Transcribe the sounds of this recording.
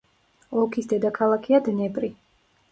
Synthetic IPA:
ɔkʰisd̪ɛd̪akʰalˠakʰiad̪nɛpʼɾi

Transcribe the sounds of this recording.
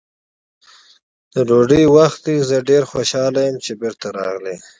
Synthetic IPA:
d̪̥əɖoɖəjwaxt̪d̪izəɖeɾxoʃɑlajəmt͡ʃebɪɾt̪aɾɑ̰ɣle

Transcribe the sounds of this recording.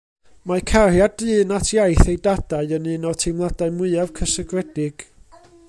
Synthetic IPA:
makʰarjadɨːnatʰjajθejdadaɨənɨːnɔtʰejmlˠadaɨmʊɨɨavkʰəsəɡrɛdɪɡ̥

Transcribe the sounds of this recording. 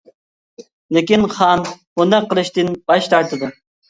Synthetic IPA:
lekʲinχɑn | ʊnd̪ɛqːəlˠɨʃt̪ɪnb̥ɑʃt̪ʰɑɾt̪ʰɨd̪ɨ

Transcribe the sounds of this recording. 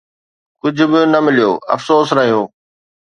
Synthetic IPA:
kʊd͡ʑʱʊ̆bɪnɐmɪlijoːɐ̰fsoːsɾɐɦijoː

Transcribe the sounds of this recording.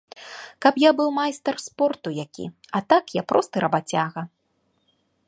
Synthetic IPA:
kapjabɨwmajst̪ɐrspɔrt̪ujakʲḭ | at̪akjapɾɔst̪ɨɾɐbat͡sʲaɣɐ

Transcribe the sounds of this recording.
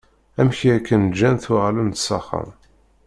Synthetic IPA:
æmçiækːənd͡ʒːænθuʁlənt̪sɑχə̰m

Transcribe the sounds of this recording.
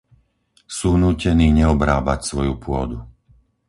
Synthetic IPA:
suːnuːcɛniːɲɛɔbɾaːbacsʋɔjupʊɔ̰d̪u

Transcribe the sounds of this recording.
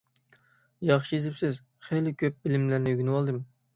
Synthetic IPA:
jɑχʃiezɪpsɪz | χelɪkʲʰøp̚bɪlɪmlæɾnɪyɡʲynwɑlˠd̪ɨm

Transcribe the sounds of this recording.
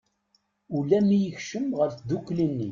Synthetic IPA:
ulæmijəçʃəmʁəɾd̪ukːlinːḭ

